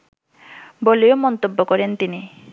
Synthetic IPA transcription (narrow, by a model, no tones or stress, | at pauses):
boleomɔnt̪obːokɔɾent̪ini